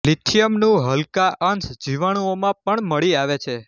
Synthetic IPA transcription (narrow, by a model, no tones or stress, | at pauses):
lit̪ʰijəmnũɦəlkaʔənsd͡ʒiʋaɽ̃ũomãpəɳməɭiaʋet͡ʃʰe